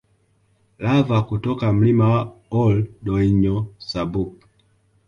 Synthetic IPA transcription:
lavakutɔkam̩limawaɔldɔiɲɔsabuk̚

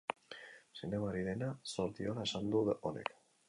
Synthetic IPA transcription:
seneβaɾiðe̞nasoɾt̪iolae̞sand̪uone̞̰k

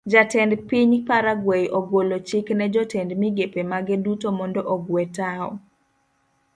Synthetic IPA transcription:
d͡ʒatɛndpiɲpaɾaɡwejʔɔɡwolot͡ʃɪknɛd͡ʒɔtɛndmiɡepemaɡɛdutomɔndɔʔɔɡwɛtaɔ̰

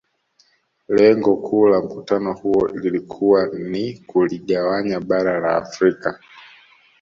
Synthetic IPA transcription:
lɛŋɡɔkʰuːlam̩kutanɔhuɔlilikʰuwanikuliɠawaɲaɓaɾala̰ːfɾika

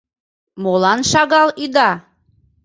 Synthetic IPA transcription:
molˠɑnʃɑɣɑlˠid̪ɑ

